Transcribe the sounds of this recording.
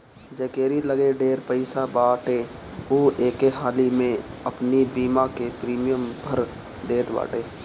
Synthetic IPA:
d͡ʒəkeːɾiləɡeɖeːɾpəɪsabaːʈe | uːʔeːkeɦaːlimẽɐpnibiːmakepɾiːmijəmbʱəɾ | ɖ̪eːt̪ba̰ːʈeː

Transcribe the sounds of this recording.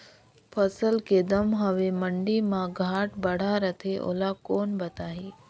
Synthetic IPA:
pʰəsəlked̪əmɦɐʋemə̃ɳɖimãɡʱaːʈbəɽ̤aɾət̪ʰeʔo̰ːlakoːnbɐt̪aːɦiː

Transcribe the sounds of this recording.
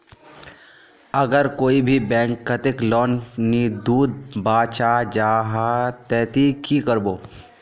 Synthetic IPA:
ɐɡəɾkoːibʱibɛ̃ːŋkːət̪ɪklɔːnnid̪uːd̪̚baːt͡ʃad͡ʒaːɦat̪ɛːt̪ikikəɾboː

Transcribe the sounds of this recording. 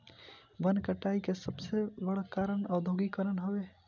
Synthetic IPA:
bənkəʈaikesəbsebəɽəkaɾənəʊd̪ʱoɡikəɾənɦobe

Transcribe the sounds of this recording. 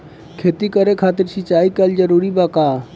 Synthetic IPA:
kʰeːt̪ikəɾekʰaːt̪ɪɾsɪt͡ʃaːikald͡ʒəɾuɾibaka

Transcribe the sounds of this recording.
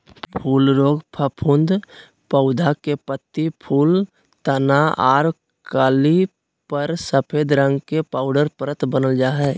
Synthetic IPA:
pʰuːlɾoːɡpʰəpʰʊ̃nd̪ | pəʊd̪akepət̪ːipʰuːl | t̪ənaaːɾ | kaːli | pəɾsəpʰeːd̪ɾə̃ŋɡkepaːʊɖəɾpəɾət̪bənəld͡ʒaːɦɛː

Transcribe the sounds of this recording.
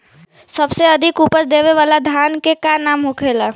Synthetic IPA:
səbseəd̪ʱɪkupəsd̪eʋeʋaːlad̪ʱjankekanaːmɦokʰeːla

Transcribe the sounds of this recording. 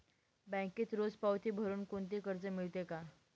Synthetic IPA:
bɛ̃kiːt̪ɾod͡zpawt̪iːbʱəɾuːnkoɳt̪̬ikəɾd͡zəmiɭt̪eka

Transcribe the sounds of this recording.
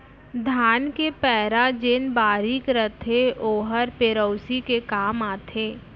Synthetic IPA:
d̪ʱaːnkepɛːɾad͡ʒenbaːɾikɾət̪ʰeoːɦəɾpeɾəʊsikekaːmaːt̪ʰeː

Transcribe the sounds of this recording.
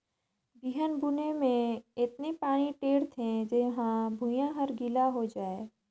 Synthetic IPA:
biːɦənbʱunemẽɪt̪nepaːɽ̃iʈeːɽt̪ʰẽd͡ʒɪɦãbʱũjãɦəɾɡilaɦod͡ʒaːeː

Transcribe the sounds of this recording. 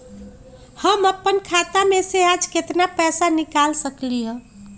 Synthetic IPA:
həməpːənkʰat̪amesead͡ʒket̪napɛsanikalsəkliɦə̃

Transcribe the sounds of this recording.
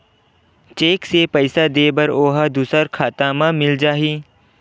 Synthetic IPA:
t͡ʃeːksepəɪsad̪eːbəɾoːɦəd̪uːsəɾkʰaːt̪aːmãmɪld͡ʒaːɦiː

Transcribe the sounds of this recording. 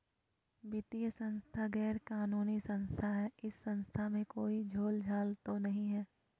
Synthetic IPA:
bɪt̪ijəsɐ̃nst̪ʰaɡɛːɾkaːnuːnisɐ̃nst̪ʰaɦɛːɪsːɐ̃nst̪ʰamẽkoːid͡ʒʱoːld͡ʒʱaːlt̪onɐɦĩɦɛː

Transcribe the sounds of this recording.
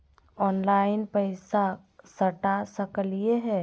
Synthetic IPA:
ɔnlaɪnpəɪsa | səʈasəkəlijeɦɛ

